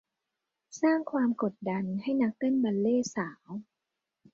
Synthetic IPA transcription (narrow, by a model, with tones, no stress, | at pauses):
saː˥˩ŋkʰwaː˧mko˨˩t̪̚da˧nha˥˩jna˦˥k̚t̪ɤ˥˩˨nba˧nleː˥˩saː˩˦w